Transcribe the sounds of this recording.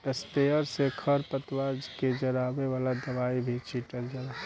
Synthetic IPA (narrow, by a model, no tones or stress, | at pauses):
ɪst̪eːəɾsekʰəɾpət̪ʋaːd͡ʒked͡ʒɐɾaːʋeʋaːlad̪ɐʋaːibʱit͡ʃiʈəɾd͡ʒəɾaː